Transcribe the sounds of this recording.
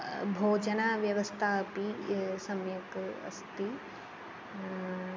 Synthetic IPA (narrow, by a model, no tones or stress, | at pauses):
bʱoːd͡ʒɐnaːʋjɐʋɐst̪ʰaːɐpisɐmjɐkɐ̰st̪i